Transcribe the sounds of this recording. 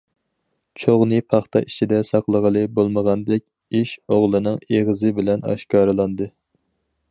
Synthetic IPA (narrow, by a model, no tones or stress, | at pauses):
t͡ʃʰoʁnɨpʰɑχt̪ʰɑ̰ʔit͡ʃʰid̪ɛsɑqlˠəʁəlˠɨbolˠməʁɑnd̪ɛk̚ʲ | iʃoʁlˠɨnɨŋeʁəzɨbɪlɛnɑ̰ʃkɑːɾɨlˠɑnd̪ɨ